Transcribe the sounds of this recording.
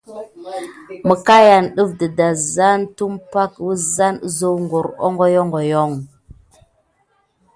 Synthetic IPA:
mə˨ka˦ja˨nɗə˦vdə˨da˨za˦ntu˦mpa˦kwə˦za˦n˦zo˦wŋɡu˨ɾo̰˦ŋɡo˦jo˦ŋɡo˨jo˦ŋ

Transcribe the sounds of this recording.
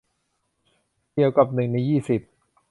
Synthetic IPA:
di˧əwka˨˩p̚nɯ˨˩ŋna˨˩jːiː˥˩si˨˩p̚

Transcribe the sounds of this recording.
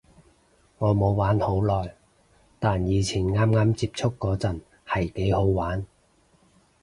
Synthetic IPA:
ŋɔː˨˧mo˨˧wwaː˨˥nho˨˥wlɔː˨˩j | t̪aː˨njiː˨˧t͡sʰiː˨˩nŋaː˥mŋaː˥mt͡siː˧˥p̚t͡ʃʰʊ˥kːɔː˨˧˥t͡sɐ˨n | hɐ˨˩jke˨˥jho˨˥wwaː˨˥n

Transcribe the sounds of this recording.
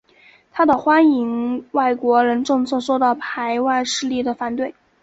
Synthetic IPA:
t̪ʰa˥d̪ə˨xwa˥ni˧˥ŋwa˥˩ɪkwɔ˧˥ɻə˧˥nʈ͡ʂɤ˥˧ŋt͡sʰwɔ˥˧ʂo˥˧ʊd̪ɑ˥˩pʰa˧˥ɪwa˥˧ɪʂɻ̩˥˧li˥˩d̪ə˩fa˨˧˩nt̪we˥˩ɪ

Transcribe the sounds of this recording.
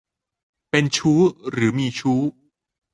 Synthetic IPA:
pe˧nt͡ɕʰuː˦˥ɾɯː˩˦miː˧t͡ɕʰuː˦˥

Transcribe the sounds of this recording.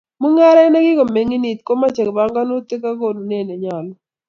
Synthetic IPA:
mu˦ŋa˦ɾa˦na˦ɡɪ˦ko˨me˨ŋi˦ni˨t̪̚ko˦ma˦t͡ʃɛ˨kba˨˦ŋɡa˦no˦t̪e˦ka˦ko˦˨nu˨ne˦˨ne˨ɲa˨lɔ˦

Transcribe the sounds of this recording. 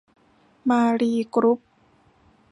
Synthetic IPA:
maː˧ɾiː˧kɾu˦˥p̚

